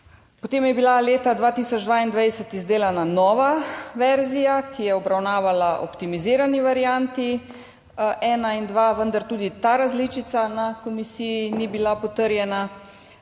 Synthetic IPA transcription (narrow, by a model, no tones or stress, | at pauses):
pot̪eːmjɛbilaleːt̪ad̪ʋaːt̪isɔd͡ʒd̪ʋaind̪ʋajsət̪izd̪eːlananɔːʋaʋɛɾzijakijɛɔbɾawnaːʋalaʔo̰pt̪imiziːɾaniʋaɾijant̪i | ʔɛːnaind̪ʋaʋənd̪aɾt̪uːd̪it̪aɾazliːt͡ʃit̪sanakomisijinibilapɔt̪əɾjɛna